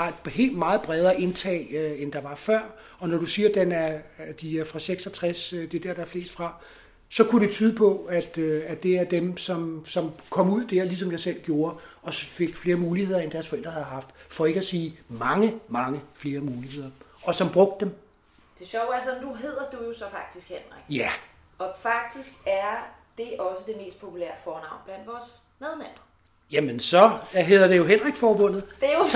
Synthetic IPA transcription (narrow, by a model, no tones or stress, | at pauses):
hɑ̈d̥he̝̰ːld̥mɑ̈ːð̞̩ˠb̥ʁɛð̞ˠɐːʔe̝nt͡sʰɛ̰ːøend̥ɑ̈ʋɑ̈fɶɐ̰ | ɒ̽nɒɾ̥usiːɐd̥enæd̥iæɐfʁɑ̈seɡ̥sɒ̽t͡sʰʁɛsd̥e̝d̥æɐ̰d̥ɑ̈æɐfle̝ːsd̥fʁɑ̈ | sɒ̽kʰuɾe̝t͡sʰyːðˠəpʰɒ̽æd̥øæd̥e̝æɐd̥emsɒ̽msɒ̽mkʰɒ̽muð̰ˠd̥æɐ̰lis̬ɒ̽mjɑ̈ɪsel̰ɡ̥jo̝ːɐɒ̽fe̝ɡ̥fle̝ːɐmuːlihe̝ð̞̰ˠɐend̥æɐsfɒ̽el̰d̥ʁɐhæðˠɦɑ̈fd̥fɒ̽e̝ɡ̥æsiːmɑ̈ŋəmɑ̈ŋəfle̝ːɐmuːlihe̝ð̞̰ˠɐɒ̽sɒ̽mb̥ʁɔ̽ɡ̥d̥ːem | d̥e̝ɕɒʊ̰æɐsɒnuɦe̝ð̰ˠɐd̥ujo̝sɒ̽fɑ̈ɡ̥̚d̥isɡ̥hen̰ʁeɡ̥jæʔɒ̽fɑ̈ɡ̥̚d̥isɡ̥æɐd̥e̝ʔɒ̽səd̥e̝me̝̰ːsd̥̚pʰo̝pʰulæ̰ɐfɒːnɑ̈ʊ̰nb̥læn̰d̥ʋɒːs | meðˠnæb̥ɐ | jæmənsɒ̽ɦe̝ðˠɐd̥e̝jo̝ɦen̰ʁeɡ̥fɒːb̥ɔ̽n̰ð̩ˠd̥eo